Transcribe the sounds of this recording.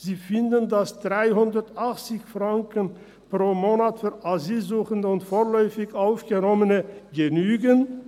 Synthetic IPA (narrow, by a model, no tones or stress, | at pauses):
ziːfɪndəndasd̥ʁaɪɦʊndɐtʔaχt͡sɪçfʁ̥aŋkən | pʁ̥oːmoːnatfyɐaziːlzuːχəndəʊntfoːɐlɔʏfɪçaʊfɡ̥ənɔmənəɡənyːɡən